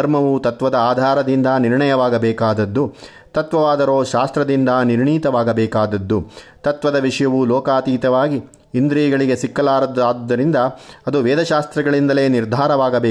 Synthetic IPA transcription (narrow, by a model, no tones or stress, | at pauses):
ɐɾmɐʋut̪ɐt̪ʋɐd̪ɐaːd̪ʱaːɾɐd̪ind̪ɐniɾɳɐjɐʋaːɡɐbɛːkaːd̪ɐd̪ːu | t̪ɐt̪ʋɐʋaːd̪ɐɾoːʃaːst̪ɾɐd̪ind̪ɐniɾɳiːt̪ɐʋaːɡɐbɛːkaːd̪ɐd̪ːut̪ɐt̪ʋɐd̪ɐʋiʂɐjɐʋulɔːkaːt̪iːt̪ɐʋaːɡiː | nd̪ɾiːɡɐɭiɡe̞sikːɐlaːɾɐd̪aːd̪ːɐɾind̪ɐɐd̪uʋɛːd̪ɐʃaːst̪ɾɐɡɐɭind̪ɐle̞ːniɾd̪ʱaːɾɐʋaːɡɐbeː